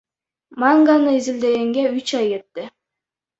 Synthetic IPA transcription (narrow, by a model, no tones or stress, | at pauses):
maŋɡanɯizild̪e̞ɡeŋɡeyt͡ʃɑjke̞t̪ːɪ